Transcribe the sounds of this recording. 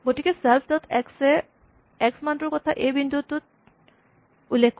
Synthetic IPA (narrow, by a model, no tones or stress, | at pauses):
ɡotikɛsɛlpʰdɔt̪ʰɛksɛ | ɛksmantɔɹkɔt̪ʰaʔejbind̪ud̪̚tut̪̚ | ulːekʰk